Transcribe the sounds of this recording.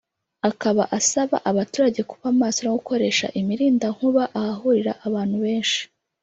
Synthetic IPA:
akaβaʔasaβa̰ʔaβatuːɾaɟe̞ku̥βamaːsoɾaɡuko̞ɾe̞ːʃa̰ʔimiɾiːndaŋ̥huβaʔahaɦuɾiɾa̰ʔaβaːnhuβe̞ːnʃi̥

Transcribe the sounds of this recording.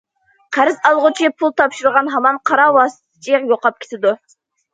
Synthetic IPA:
qʰæɾɪzɑlˠʁʊt͡ʃʰipʰulˠt̪ʰɑpʃuɾʁɑnɦɑmɑnqʰɑɾɑwɑst̪ʰɪ̥t͡ʃʰijoqɑp̚kʲʰe̥t̪ʰɪd̪u

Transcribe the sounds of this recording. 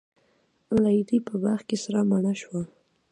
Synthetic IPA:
lajd̪ipəbaɾxkesaɾamanaʃwa

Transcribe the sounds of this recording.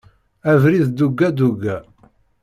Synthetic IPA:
ævɾiðd̪uɡːæd̪uɡːæ

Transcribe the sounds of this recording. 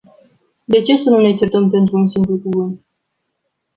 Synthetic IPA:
d̪e̞t͡ʃe̞sənunet͡ʃert̪əmpe̞nt̪ɾuunsimplukuvɨnt̪̚

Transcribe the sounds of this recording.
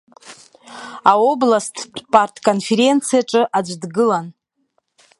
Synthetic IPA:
ao̞blastʰpʼartʰkʼo̞nfe̞ɾe̞nt͡sʰijaʈ͡ʂʼɨʔad͡ʒʷdɡɨlan

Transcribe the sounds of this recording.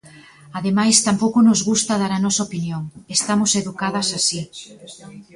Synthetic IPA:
aðemajst̪ampowkʊnʊzɣust̪ɐðaɾɐnɔsɐopinjoŋest̪amʊseðukaðɐsasi

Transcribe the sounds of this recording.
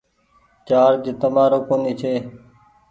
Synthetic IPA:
t͡ʃaːɾd͡ʒeːt̪əmaːɾoːkoːniːt͡ʃʰeː

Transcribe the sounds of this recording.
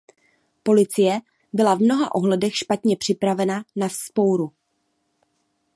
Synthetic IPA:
po̞lɪt͡sɪjɛ | bɪlavmno̞ɦa̰ʔo̞ɦlɛdɛxʃpat̪ɲɛpr̥ɪpɾavɛnanasspo̞wɾu

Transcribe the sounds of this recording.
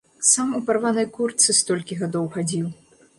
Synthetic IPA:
samuparvanɐjkurt̪sɨst̪ɔlʲkʲiɣad̪ɔwxad͡zʲiw

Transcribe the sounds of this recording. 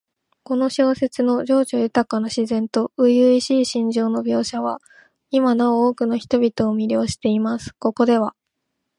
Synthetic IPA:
ko̞no̞ɕo̞ːse̞t͡sɨno̞d͡ʑo̞ːd͡ʑo̞jɯ̟t̪akanoɕizẽ̞nt̪o̞ɯ̟jɯiɕiːɕĩɲ̟d͡ʑo̞ːno̞bʲjo̞ːɕaβa | imanaooːkɯ̟no̞çi̥t̪o̞bʲit̪o̞ːmʲiɾʲo̞ːɕi̥t̪e̞imasɨ̥ko̞ko̞d̪e̞βa

